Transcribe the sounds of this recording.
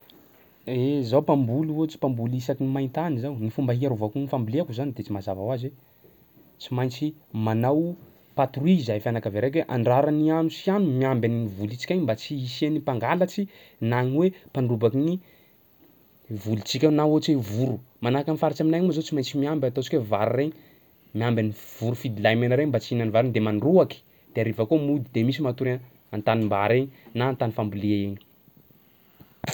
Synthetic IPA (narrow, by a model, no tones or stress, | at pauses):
ezawpambuluot͡si̥pambulisakinimajnt̪anizawnifumbaɦiaɾuvakunifambileakuzanid̪et͡simazavawaze | t͡simajnt͡simanaw | pat̪ruizajfjanakaveɾek̬weʔaɳɖ͡ʐaɾanianusianumiambʲaniivulit͡ʃi̥kʲajɲmbat͡siisenipaŋɡalat͡si | naŋwepanrubakini | vulit͡sikʲawenaot͡ʃevuɾu | manakanifaɾit͡ʃaminajauazot͡simajt͡simiambʲat̪ot͡ʃi̥kʲwevaɾreɲ | miambaniv̥uɾufid̪ilajmanaɾeɲmbat͡siinanivaɾeɲd̪emanruaki̥ | d̪̥eaɾivakomud̪id̪emisimat̪uɾe | ant̪animbaɾeɲinaːnt̪anifambuleaeɲi̥